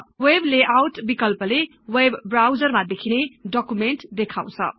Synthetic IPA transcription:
webleʔawʈbikʌlpʌle | webːrawd͡zʌrmad̪ekʰineɖʌkumeɳʈd̪ekʰaw̃t͡sʰʌ̰

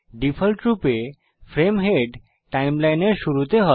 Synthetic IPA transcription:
ɖipʰolʈɾupe | fʰɾemɦeɖ | ʈajmlajneɾʃuɾut̪eɦɔ

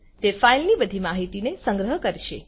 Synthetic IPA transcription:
t̪efailnibəd̪ʱimaɦit̪inesə̃ŋɡɾəɦəkəɾʃe

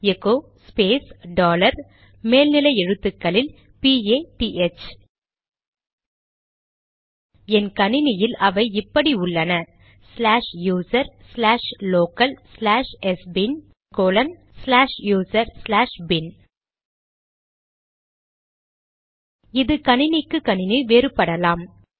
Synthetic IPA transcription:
ɛkoː | speːsɖaːlɐɾ | meːlnɪlɐɪɛɻɯt̪ːɯkːɐɭɪl | pieːʈiʔɛt͡ʃ | ɛnkɐnɪnɪjɪlɐʋɐɪɪpːɐɽiʊɭːɐnɐ | slaːʂjuːsɐɾslaːʂloːkɐlslaːʂɛsbɪn | koːlɐn | slaːʂjuːsɐɾslaːʂbɪn | ɪðɯkɐnɪnɪkːɯkɐnɪniʋeːɾɯpːɐɽɐlaːm

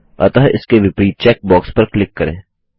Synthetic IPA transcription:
ɐ̰t̪ɐɦʔɪ̰skeʋɪpɾiːt͡ʃɛːk̚bɔːkspɐɾklɪkːɐɾḛ̃ː

